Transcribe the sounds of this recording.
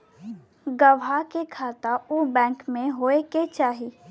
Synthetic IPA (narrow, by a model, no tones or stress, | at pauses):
ɡəʋakekʰaːt̪aubɛ̃ːŋkmẽɦoːeket͡ʃaːɦiː